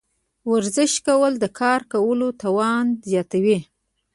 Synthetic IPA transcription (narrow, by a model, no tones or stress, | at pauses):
waɾzɪʃkawəld̪əkʰɑɾkawəlot̪awɑnzjɑt̪awi